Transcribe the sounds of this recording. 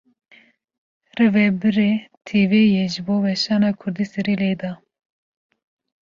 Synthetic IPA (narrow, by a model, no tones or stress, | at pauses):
rɛvɛbɨɾeːt̪ʰeːvejeʒɨboːwɛʃɑːnɑːkʰʊɾd̪iːsɛɾiːled̪ɑ